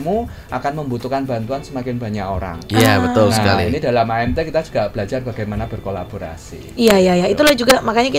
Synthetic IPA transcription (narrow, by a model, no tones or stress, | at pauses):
mu | ʔakanməmbut̪ukanbant̪uansəmakɪnba̤ɲako̰ɾa̰ŋjabət̪ʊlsnaəka̰liinidalamaɛmt̪ekit̪ad͡ʒu̥ɡ̥ab̥əlad͡ʒarba̤ɡajmanabərkola̰b̥oɾa̰sḭjajajait̪ulad͡ʒuɡamakaɲaki